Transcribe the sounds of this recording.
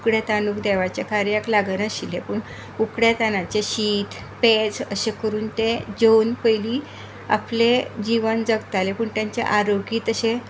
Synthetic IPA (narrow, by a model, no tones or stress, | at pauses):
kɽjat̪anuːkd̪ɛʋat͡ɕakaɾjaklaɡnəɕilepəːɳ | ukɽjat̪anat͡ɕeɕiːt̪ | ped͡zəɕekəɾuːnt̪ed͡ʑonpəjliː | a̰pled͡ʑiʋənd͡zəɡt̪alepəːɳt̪jaɲt͡ɕa̰ʔaɾoɡiːt̪əɕe